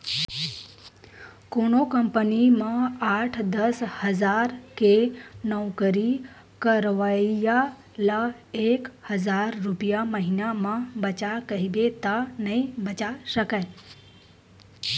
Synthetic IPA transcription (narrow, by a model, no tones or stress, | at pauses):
konokəmpənimãaʈʰd̪əshəzaɾkenəʋkəɾi | kəɾʋaija | la | ekhəzaɾːʊpijaməɦinamãbət͡ʃakəɦibet̪anəɦĩbət͡ʃaʃəkae